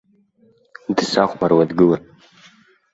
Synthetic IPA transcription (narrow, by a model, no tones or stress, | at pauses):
dɨsaχʷmarwadɡɨlan